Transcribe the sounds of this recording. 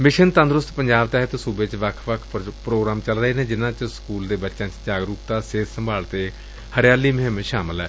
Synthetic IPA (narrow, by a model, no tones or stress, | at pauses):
mɪʃənt̪ə̃nd̪ɾʊst̪pəɲd͡ʒaːbt̪ɛːɦt̪suːbeːt͡ʃʋəkʰʋəkʰpɾoːɡɾaːmt͡ʃəlɾəɦeːnẽːd͡ʒɪnãːt͡ʃskuːld̪eːbətːʃãːt͡ʃd͡ʒaːɡɾuːp̚t̪aːseːssəmbʱaːlt̪eː | həɾɪjaːliːməɦɪmʃaːmɪlɦɛː